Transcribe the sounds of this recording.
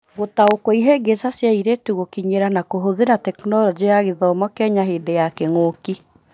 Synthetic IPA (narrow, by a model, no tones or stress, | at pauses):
ɣotaokoiɦeɡesasjaiɾetuɣokiɲeɾanakoɦoðeɾatɛknɔɾɔd͡ʑeaɣeðɔmɔkɛɲaɦeːdejakɛŋoki